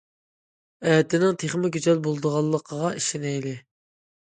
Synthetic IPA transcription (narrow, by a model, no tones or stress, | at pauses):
ɛːt̪ɪnɪŋt̪ʰeχmɪɡʲyzɛlbolˠd̪əʁɑlˠːəqʰəʁɑiʃɪnɛjlɪ